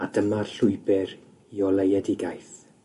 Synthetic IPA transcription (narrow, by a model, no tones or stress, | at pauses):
adəmarɬʊɨbɛɾ | iɔlejɛdɪɡajθ